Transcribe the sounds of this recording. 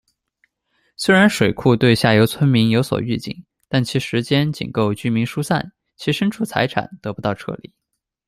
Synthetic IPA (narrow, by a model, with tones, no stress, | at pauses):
swe˥ɪɻa˧˥nʂwe˨˩ɪkʰu˥˧t̪we˥˧ɪɕja˥˩jo˧˥ʊt͡sʰwə˥nmi˧˥ŋjo˧˥ʊswɔ̰˨˩y˥˩t͡ɕḭ˥˩ŋ | t̪a˥˩nt͡ɕʰi˧˥ʂɻ̩˧˥t͡ɕjɛ˥nt͡ɕḭ˨˩ŋko˥˧ʊt͡ɕy˥˩mi˧˥ŋʂu˥sa̰˥˩n | t͡ɕʰi˧˥ʂə˥nʈ͡ʂʰu˥˩t͡sʰa̰˧˥ɪʈ͡ʂʰa̰˨˩˦nt̪ɤ˧˥pu˧˥t̪ɑ˥˧ʊʈ͡ʂʰɤ̰˥˧lḭ˨˩˦